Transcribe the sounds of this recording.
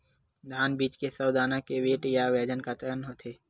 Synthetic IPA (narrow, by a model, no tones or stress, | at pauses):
d̪ʱaːnbiːt͡ʃkesəwd̪aːnakeʋeːʈjaʋɛːd͡ʒənkat̪əɾənɦoːt̪ʰeː